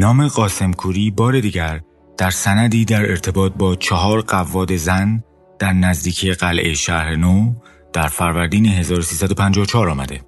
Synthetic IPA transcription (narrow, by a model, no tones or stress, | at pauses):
nɒːmeɢɒːse̞mkʰuːɾiːbɒːɾe̞d̪iːɟæɾ | d̪̥æɾsænæd̪iːd̪æɾe̞ɾt̪ʰe̞bɒːt̪̚ʰbɒːt͡ʃʰɒɦɒːɾɢævːɒːd̪e̞zæn | d̪̥æɾnæzd̪iːcʰijeɢælʔḛjʃæɾeno | d̪̥æɾfæɾvæɾd̪iːneɦe̞zɒːɾosiːsæd̪o̞pʰænd͡ʒɒːot͡ʃʰɒːɾɒːmæd̪e̞̰